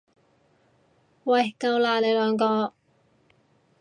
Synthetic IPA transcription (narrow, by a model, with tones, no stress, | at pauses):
wɐ˨˩jkɐ˧wlaː˨˧le˨˧jlœː˨˧ŋkɔː˧